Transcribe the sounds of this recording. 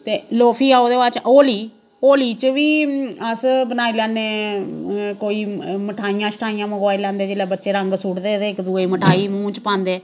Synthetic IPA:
t̪eːloːpʰiːaːod̪eːʋat͡ʃoːliː | oːliːt͡ʃʋiːəsbənaːiːlãːneː | koːiːməʈʰaːijãːsəʈʰaːijãːməkaːilɛ̃ːnd̪eːd͡ʒeːleːbətːʃeːɾəŋɡsuɽd̪eːt̪eːɪkd̪uːeːməʈʰaːiːmũːt͡ʃpãːnd̪eː

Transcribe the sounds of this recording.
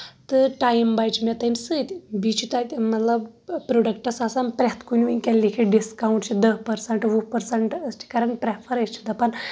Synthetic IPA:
t̪ɨʈajmbajt͡ʃmɛt̪ɐnsɨt̪ʲbit͡ʃʰit̪at̪mɐt̪lɐbpɾoɖəkʈasasanpɾʲet̪kunʲʋukʲɛlːikʰiɖiskawɳʈt͡ʃʰid̪əɦpəɾsɐɳʈʋupəɾseɳʈəsʈʰi̥kaɾɐɳ̚pɾepʰəɾɐt͡ʃʰi̥t̪apɐn

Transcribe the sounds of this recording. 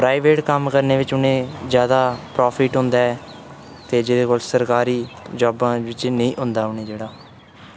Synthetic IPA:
pɾaːiʋeːʈkəmkəɾneːʋɪt͡ʃʊnẽːzjaːd̪aːpɾɔːpʰɪʈɦʊ̃nd̪aːɛː | t̪eːd͡ʒɪd̪eːkoːlsəɾkaːɾiːd͡ʒɔːbãːʋɪt͡ʃnəĩːʔʊ̃nd̪aːɦʊnẽːd͡ʒeːɽaː

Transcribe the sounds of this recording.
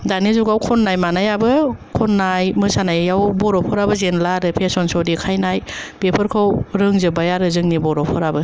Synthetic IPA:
danizuɡawkʰɔnːajmanajabɯkʰɔnːajmɯsanajjawbɔɾɔpʰɔɾabɯzenlaɾɯpʰesɔnsɔwdikʰajnajpepʰɯɾkʰɯwɾɯŋzɯbajaɾɯzɯŋnibɔɾɔpʰɔɾabɯ

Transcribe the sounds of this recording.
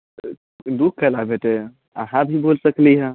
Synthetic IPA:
d̪uk̚kʰːəlabʱeʈe | ə̰ɦãbʱibolsəkliɦə̃

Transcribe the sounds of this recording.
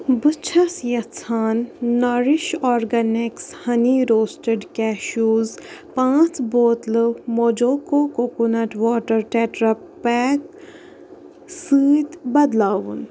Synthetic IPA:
bɨt͡ʃʰɐsjɐt͡sʰaːnːɐɾiʃɔːɾɡɐnɪkshɐniɾoːsʈəɖkɛːʃuːzpãːt͡sboːt̪lɨmod͡ʒoːkokokunɐʈʋɔːʈəɾʈeːʈɾɐppɛːk | sɨːt̪bɐd̪laːʋun

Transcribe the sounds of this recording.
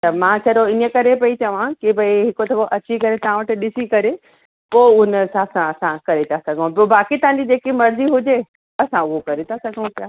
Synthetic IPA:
t̪ɐmãt͡ɕʰɐɾoɪnəkɐɾepɐit͡ɕɐʋ̤ãkibɐiɦɪkot̪ʰɐboʔɐt͡ɕikɐɾet̪ɐʋ̤ãʋɐʈɪ̆ɗɪsikɐɾe | poːʊnəsãsãɐsãkɐɾet̪asɐɡʱəũpobaːkit̪ɐ̃ʋ̤ãɲd͡ʑid͡ʑeːkimɐɾziɦʊd͡ʑe | ɐsãʊɦokɐɾet̪ʰasɐɡʱũpjaː

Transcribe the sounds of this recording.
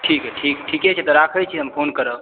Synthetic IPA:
ʈʰikɦɛʈʰikʈʰikɛt͡ʃʰɛt̪ɔɾakʰəjt͡ʃʰiɦəmpʰonkəɾəb

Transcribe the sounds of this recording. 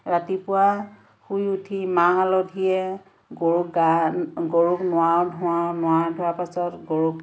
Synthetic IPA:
ɹatipʊwa | xujutʰimaɦalɔdʱiɛ | ɡoɹuɡaɡoɹuknʊwawdʱʊanʊwadʱʊapasɔtɡoɹuk

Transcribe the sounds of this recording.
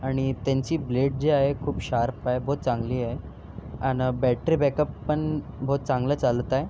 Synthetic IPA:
aɽ̃it̪aɲt͡ɕiːbleɽ̚d͡ʑeaɦekʰuːpɕaɾpaɦebʱoːt̪̚t͡sãŋɡliːa | anəbɛʈɾiːbɛkəpːəɳbʱot̪̚t͡sãŋɡləːt͡salt̪aj

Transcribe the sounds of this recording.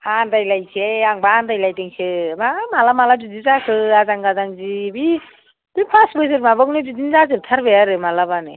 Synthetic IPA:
antajlajt͡ʃʰeaŋbandajlajtiŋt͡ʃʰɯmamalamaladud͡zizakʰɯazaŋɡazaŋzibi | b̥ipʰasbəsɯɾmabɯŋnedidinzazɯɾt̪ʰaɾbejaɾɯmalabanɯ

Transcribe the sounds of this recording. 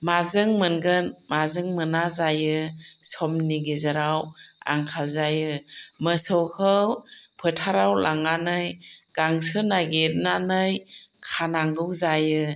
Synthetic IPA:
mazɯŋmɯnɡɯnmazɯŋmɯnazajɯsɔmniɡizɯɾawa̰ŋkʰalzajɯmɯsɔwkʰɯwpʰɯtʰaɾawlʔaŋanɯjɡ̥aŋsɯnaɡeɾnanɯjkʰanaŋɡɯwzajɯ

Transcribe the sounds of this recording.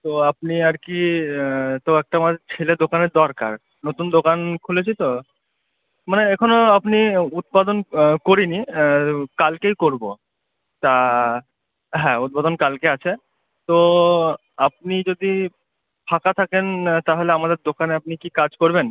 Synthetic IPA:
t̪oapniaɾki | t̪oɛk̚ʈamad̪ʱet͡ɕʰeled̪okaneɾd̪ɔɾka̰ɾ | not̪und̪okankʰulet͡ɕʰit̪o | maneɛkʰonoapniut̪̚pad̪onkoɾini | kalkejkoɾbo | t̪a | ɦɛ̃ut̪̚pad̪onkalkeat͡ɕʰe | t̪o | ap̚nid͡ʑod̪i | pʰakat̪ʰakent̪aɦoleamad̪eɾd̪okaneap̚nikikad͡ʑkoɾben

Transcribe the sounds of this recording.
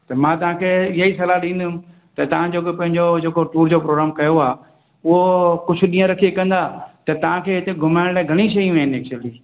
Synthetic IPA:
t̪ɐmãt̪ɐʋ̤ãkʰeːɪɦaisɐlaɗĩːnd̪ɪʊm | t̪ɐt̪ɐʋ̤ãd͡ʑoːkopɐ̃ɦɪ̃ɲd͡ʑod͡ʑeːkoʈuːɾd͡ʑopɾoːɡɾaːmkɐjoaː | ʊɦokʊd͡ʑʰʊ̆ɗĩːə̃ɾɐkʰiekɐ̃nd̪at̪ɐt̪ɐʋ̤ãkʰeːɦɪt̪eɡʱʊmaːɪɽ̃laːɡʱɐɽ̃iʃ̬ɐjũɦɪnɪeːk̚t͡ɕuwəliː

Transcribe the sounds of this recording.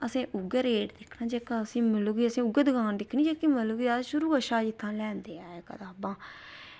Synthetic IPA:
əsẽːʔʊɡəɾeːʈd̪ɪkʰnãːd͡ʒeːkaːəsĩːmɪloɡiːəsẽːʊɡəd̪ɡãːnd̪ɪkʰniːd͡ʒaːkimɪlːɡiːaʃʊɾuːəʃaːd͡ʒɪt̪ʰːãːlɛ̃ːnd̪eːaːeːkə̰t̪aːbãː

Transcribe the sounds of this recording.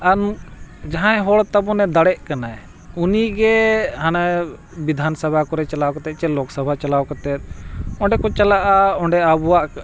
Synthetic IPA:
and͡ʒaɦãɛ̃ɦɔɭt̪abɔnɛd̪aɽɛʔkanaj | uniɡɛɦana | bid̪ʱansabʱakɔɾɛt͡ʃalawkat̪ɛt̪̚ˀt͡ʃɛlɔksabʱat͡ʃalawkat̪ɛt̪̚ˀɔ̃ɳɖɛkɔt͡ʃalaʔaɔɳɖɛabuwaʔ

